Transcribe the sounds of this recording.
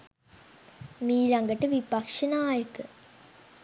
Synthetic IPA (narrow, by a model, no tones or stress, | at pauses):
miːlɐŋɡɐʈəʋipɐkʂɐnaːjɐkə